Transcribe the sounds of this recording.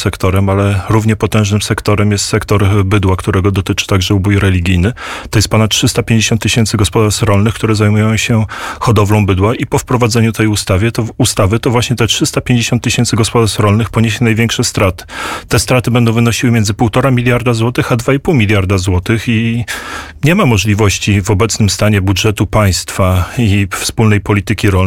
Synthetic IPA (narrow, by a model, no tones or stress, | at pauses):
sɛkt̪ɔɾɛmalɛɾuvɲɛpɔt̪ɛ̃w̃ʐnɘmsɛkt̪ɔɾɛmjɛst̪sɛkt̪ɔɾbɘd̪wakt̪uɾɛɡɔd̪ɔt̪ɘt͡ʂɘ̥t̪aɡʐɛubujɾɛlʲiɡʲijnɘt̪ɔjɛst̪pɔnat̪̚tʂɘst̪apʲjẽɲd͡ʑeɕɔnt̪ːɘɕɛnt̪sɘɡɔspɔd̪aɾʂtɾɔlnɘxkt̪uɾɛzajmujɔ̃w̃ɕɛxɔd̪ɔvlɔ̃w̃bɘd̪waʔipɔfpɾɔvad̪zɛɲut̪ɛjust̪avʲjɛt̪ɔust̪avɘt̪ɔvwaɕɲɛt̪ɛtʂɘst̪apʲjeɲd͡ʑeɕɔnt̪ːɘɕɛntsɘɡɔspɔd̪aɾʂɾɔlnɘxpɔɲeɕɛnajvʲjɛŋkʂɛst̪ɾat̪ɘ̥t̪ɛst̪ɾat̪ɘbɛnd̪ɔ̃w̃vɘnɔɕiwɘmʲɛnzɘpuwt̪ɔɾamʲilʲjaɾd̪azwɔt̪ɘxad̪vaipuwmʲilʲjaɾd̪azwɔt̪ɘxi | ɲɛmamɔʐlʲivɔɕt͡ɕivɔbɛt̪snɘmst̪aɲɛbudʐɛt̪upaj̃st̪faifspulnɛjpɔlʲit̪ɘkʲiɾɔl